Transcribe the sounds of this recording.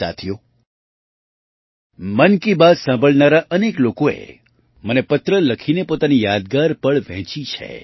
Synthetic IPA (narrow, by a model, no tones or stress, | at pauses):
a̰t̪ʰijo | mənkibad̪sãmbʱəɭnaɾaʔəneklokoḛ | mənepət̪ɾələkʰinepot̪anijad̪̚ɡaɾpəɭʋɛ̰̃t͡ʃit͡ʃʰḛ